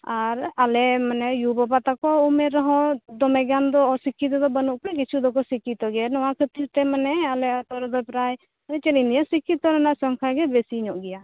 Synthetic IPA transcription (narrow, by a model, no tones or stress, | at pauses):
aɾalɛmanɛjubɔpat̪akɔumɛɾɔɦɔ̃d̪ɔmɛɡand̪ɔːsikit̪̬ɔd̪ɔbənuʔpɽɛk̬it͡ʃʰud̪ɔkɔsikit̪ɔɡɛnɔwakʰət̪iɾt̪ɛmanɛalɛat̪ɔɾd̪ɔpɾaj | anɛt͡ʃənind̪ijasikit̪ɔɾanaʔsɔŋkʰaɡɛbesiɲɔʔɡɛja